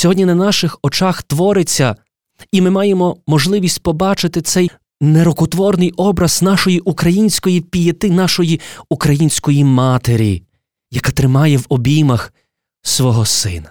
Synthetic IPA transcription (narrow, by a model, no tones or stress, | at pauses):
sʲɔɦɔdʲnʲinɐnɑʃɪxɔt͡ʃɑxt̪ʋɔɾɪt͡sʲːɐ | imɪmɑjemɔmɔʒlˠɪʋʲisʲtʲpɔbɑt͡ʃɪt̪ɪt̪sɛj | neɾɔkʊt̪ʋɔrnɪjʔɔbɾɐz̥nɑʃɔjiʔukɾɐjinʲsʲkɔjipʲijɛt̪ɪnɑʃɔjiukɾɐjinʲsʲkɔjimɑt̪eɾʲḭ | jɐkat̪ɾɪmɑjɛwɔbʲimɐx | sʋɔɦɔsɪ̰nɐ